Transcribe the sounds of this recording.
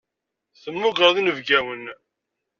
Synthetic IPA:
θəmːʊɡəɾðinəvɡæwən

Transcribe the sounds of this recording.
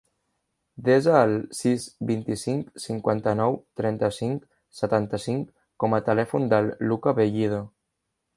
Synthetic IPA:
d̪ezaːlˠsizbint̪isiŋksiŋkwant̪ənɔwt̪ɾɛnt̪əsiŋk | sət̪ant̪əsiŋkː | ɔmət̪əlɛfund̪əlˠːukəβeʎið̞o

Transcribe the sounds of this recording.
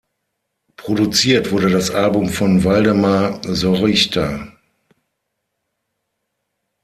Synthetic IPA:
pʁ̥odut͡siːɐtv̥ʊɐɾədasʔalbʊmfɔnvaldəmazɔʁɪçtʰa

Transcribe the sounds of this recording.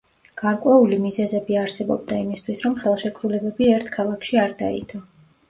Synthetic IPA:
ɡ̥aɾkʼwɛulimizɛzɛbiaɾsɛbɔ̰b̚d̪aimist̪ʰwisɾɔmχɛlˠʃɛkʼʰɾulɛbɛbiɛɾt̪ʰkʰalˠakʰʃiaɾd̪a̰ḭt̪ʰɔ

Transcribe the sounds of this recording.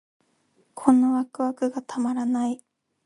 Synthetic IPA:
kʰõ̞noβakɯ̟βakɯ̟ɡat̪ʰamaɾanai

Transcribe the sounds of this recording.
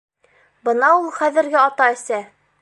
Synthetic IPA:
bɤ̆nɑulˠχæðɘ̆ɾɡɘɑt̪ɑɘ̆sæ

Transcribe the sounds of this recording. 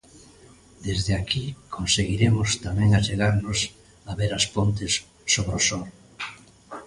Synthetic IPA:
d̪ezðeakʰikʰonseɣiɾemʊst̪amɛ̃ŋat͡ʃeɣaɾnʊs | aβeɾaspont̪ɪsː | oβɾosɔɾ

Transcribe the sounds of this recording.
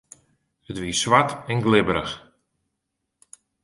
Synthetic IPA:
ətʋiəsʋatɛnɡlɪbəɾəx

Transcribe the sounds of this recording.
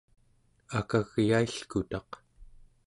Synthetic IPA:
akaɣjaiɬkut̪ɑq

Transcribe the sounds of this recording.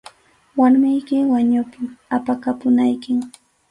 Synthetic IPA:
waɾmɪjkɪwaɲʊpɪapakapʊnajkɪŋ

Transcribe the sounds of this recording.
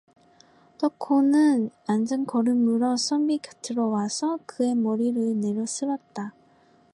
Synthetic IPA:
t͈ʌkʰonɯnand͡ʑɯnkʌɾɯmuɾʌs͈ʰʌmbikɯ̥tʰɯɾʌwasʰʌkɯe̞mʌɾiɾɯne̞ɾʌs͈ɯɾʌt̚t͈a

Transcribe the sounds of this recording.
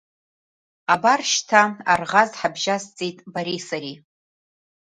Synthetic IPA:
abarʃtʰaarʁazħabʒazt͡sʼijtʼbaɾisaɾi

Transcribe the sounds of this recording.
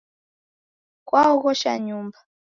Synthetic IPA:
kwaɔɣɔʃa̰ɲumba

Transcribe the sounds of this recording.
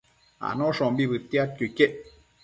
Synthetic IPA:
a̰nɔʂɔmbibɨt̪jat̪̚kukeʔ

